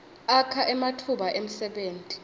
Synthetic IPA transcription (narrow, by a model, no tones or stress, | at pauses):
akʰaʔɛmatʰuɓaʔem̩sɛɓeːntʼi̥